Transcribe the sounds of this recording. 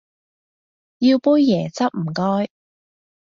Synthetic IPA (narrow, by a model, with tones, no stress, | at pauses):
ji˧wpuː˥jːɛː˨˩t͡sɐ˥p̚m̩˨˩kɔː˥j